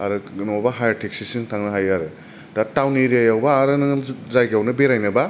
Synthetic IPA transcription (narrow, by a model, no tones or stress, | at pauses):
a̰ɾɯnɔwbaɦajaɾtʰek̚sisiŋtʰaŋnɐɦajaɾɯ | datawniɾiajawbaːɾɯnɯzajɡawnɯbeɾajnɯba